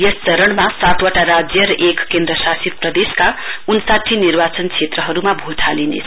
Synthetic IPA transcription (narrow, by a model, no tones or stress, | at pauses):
jest͡sʌɾʌɳmasat̪ʰwʌʈaɾad͡zjʌɾʌʔekːend̪ɾʌsasit̪̚prʌd̪eskaunsat̪ʰinirbat͡sʌnkʰet̪rʌɦʌɾumabʱot̪ʰalinḛt͡sʰ